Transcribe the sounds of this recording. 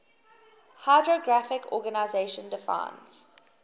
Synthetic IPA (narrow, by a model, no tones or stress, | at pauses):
haɪdɹoɡɹafɪkʰɔ̰ɡənaɪzeɪʃə̃ndɪfã̰ɪ̃nz̥